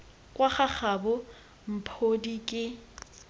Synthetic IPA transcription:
kʼwaχaχʰabʊ | m̩pʰodikʼɪ

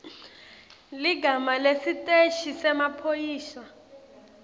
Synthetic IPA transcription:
liɡamalesitʼeʃisɛmapʰojiːʃa

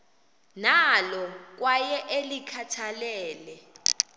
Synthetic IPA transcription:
nalɔk̬wajɛʔelikʰatʰalɛːlɛ

